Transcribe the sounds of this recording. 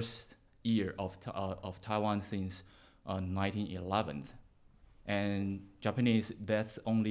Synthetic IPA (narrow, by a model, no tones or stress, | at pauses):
st | jɪɹʌv̥ʌv̥tʰaɪwãnsɪ̃ns | ʔnãɪ̃ntĩnḭlɛvə̰̃nθ | ʔɨ̃nd͡ʒ̥æpɨnizðætsõʊ̃nli